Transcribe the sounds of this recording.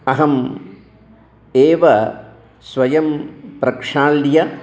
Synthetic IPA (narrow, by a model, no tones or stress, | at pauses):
ɐɦɐm | eːʋɐ | sʋɐjɐmpɾɐkʂaːljɐ